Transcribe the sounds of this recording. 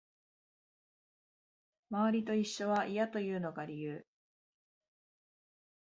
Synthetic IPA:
maβaɾʲit̪o̞iɕːo̞βaʔijat̪o̞jɯ̟ːno̞ɡaɾʲijɯː

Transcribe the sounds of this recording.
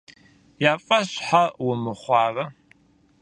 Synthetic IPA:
jaːfʼɐɕħawʊmɨχʷɑːrɐ

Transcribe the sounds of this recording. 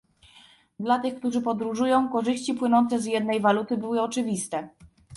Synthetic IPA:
d̪lat̪ɘxk̚t̪uʐɘpɔd̪ɾuʐujɔ̃w̃kɔʐɘɕt͡ɕipwɘnɔnt̪sɛzjɛd̪nɛjvalut̪ɘbɘwɘɔt͡ʂɘvʲist̪ɛ

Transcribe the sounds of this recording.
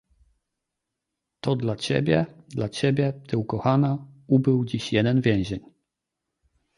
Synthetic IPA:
t̪ɔd̪lat͡ɕḛbʲjɛ̰d̪lat͡ɕebʲjɛt̪ɘwkɔxanaubɘwd͡ʑiɕjɛd̪ɛnvʲjɛ̃w̃ʑeɲ

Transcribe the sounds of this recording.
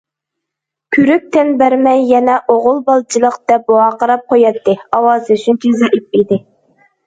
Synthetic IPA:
kʲʰyɾyk̚ʲt̪ʰɛnbæɾmɛjːɛnɛʔoʁʊlˠbɑlˠt͡ʃʰilˠəqd̪̥ɛp̚boɑːqəɾɑp̚qʰojɑt̪ːɨɑwɑːsɨyt͡ʃʰynt͡ʃʰyzɛʔip̚id̪ɪ

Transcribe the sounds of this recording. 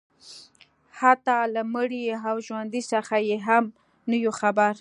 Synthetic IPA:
hat̪ɑlaməɽiawʒwand̪isaxajeɦam | nəjoxabaɾ

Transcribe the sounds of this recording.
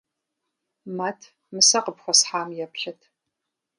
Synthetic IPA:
mɐtʰ | mɨsɐqəpxʷɔsħaːmjɛpɬɐtʰ

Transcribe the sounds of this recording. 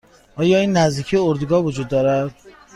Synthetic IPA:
ʔɒːjɒːiːnːæzd̪iːcʰijeoɾd̪uɡɒːvod͡ʒuːd̪ːɒːɾæd̪̥

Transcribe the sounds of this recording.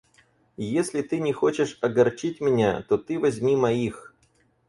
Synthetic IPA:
jesʲlʲɪt̪ɨnʲɪxot͡ɕɪʂɐɡɐrt͡ɕitʲmʲɪnʲat̪ot̪ɨvɐzʲmʲimɐix

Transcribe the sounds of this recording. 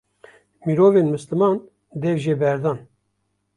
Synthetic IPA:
miɾoːveːnmɨslɨmɑːn | d̪ɛvʒeːbɛɾd̪ɑːn

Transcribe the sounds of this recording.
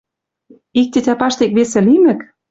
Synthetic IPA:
ik̚t̪ʲĕt̪ʲæpɑʃt̪ekβesɘ̆limɘ̆k

